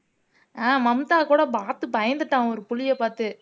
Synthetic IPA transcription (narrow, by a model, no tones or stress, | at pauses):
ãːmɐmt̪aːkuːɽɐpaːt̪ɯpɐjɐnd̪ɯʈːãːɔɾɯpʊɭɪjɐpaːɾt̪ɯ